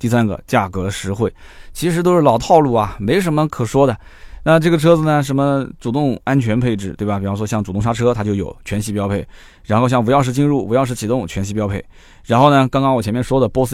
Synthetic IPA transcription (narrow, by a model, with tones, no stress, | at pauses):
t̪i˥˩sa˥nɡə̰˧t͡ɕja˥˩kɤ˧˥ʂɻ̩˧˥xwe˥˩ɪt͡ɕʰi˧˥ʂɻ̩˧˥t̪o˥ʊʂɻ̩˥˩lɑ˨˩ʊt̪ʰɑ˥˧ʊlu˥˩ɐ˩me˧˥ɪʂ̬ə˧˥nmə˧kʰɤ˨˩ʂwɔ˥d̪ə˨ | na˥˧ʈ͡ʂɤ˥˩ɡə˩ʈ͡ʂʰɤ˥d͡zɹ̩˨˩nə˩ʂ̬ə˧˥nmə˧ʈ͡ʂu˨˩t̪ʊ˥˧ŋa˥nt͡ɕʰɥɛ˧˥npʰe˥˧ɪʈ͡ʂɻ̩˥˩t̪we˥˩ɪbɐ˩pi˨˩u˥ʂwɔ˥ɕjɑ˥˩ŋʈ͡ʂu˨˩t̪ʊ˥˩ŋʂa˥ʈ͡ʂʰɤ˥t̪ʰa˥t͡ɕjo˥˩ʊjo˨˩ʊt͡ɕʰɥɛ˧˥nɕi˥˧pjɑ˥ʊpʰe˥˩ɪ | ɻa˧˥nxʊɕjɑ˥˩ŋp̬u˧˥jɑ˥˧ʊʂ̬ɻ̩˥˧t͡ɕi˥˧ŋɻu˥˩pu˧˥jɑ˥˧ʊʂ̩ɻ̩˥˩t͡ɕʰi˨˩t̪ʊ˥˩ŋt͡ɕʰɥɛ˧˥nɕi˧˥pjɑ˥pʰe˥˩ɪ | ɻa˧˥nxo˥˩ʊnə˩kɑ˥ŋkɑ˥ŋwɔ˨˩jɛ˧˥mjɛ˥˩nʂwɔ˥d̪ə˨pwɔ˥s̩˥